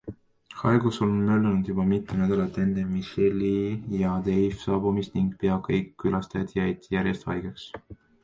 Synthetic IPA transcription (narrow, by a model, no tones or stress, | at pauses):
hɑeɡ̥usolnmølnud̪̥jub̥ɑmit̪ːˑenæd̪̥ɑlɑt̪e̞nd̪emiselːijɑd̪ejfsɑːbumist̪niŋɡ̥pe̞ɑkɤjkːylɑst̪æd̪jɑjd̪̥jæɾjest̪hɑjɡeks